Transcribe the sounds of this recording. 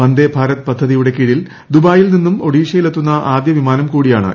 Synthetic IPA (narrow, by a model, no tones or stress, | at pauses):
ɐnd̪ebʱaːɾɐt̪pɐd̪ʱːɐðijuɽe̞kiːɻil | d̪ubaːjilninːumo̞ɽiːʂɐjile̞t̪ːunːɐʔaːd̪jɐʋimaːnɐmkuːɽijaːɳɨ̰